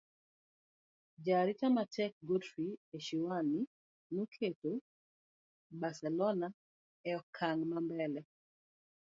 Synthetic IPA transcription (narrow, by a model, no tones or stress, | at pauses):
d͡ʒaɾit͡ʃamatʰɛk̚ɡotwieʃiwani | nokʰeto | basɛlɔna | ɛɔkʰaŋmambɛlɛ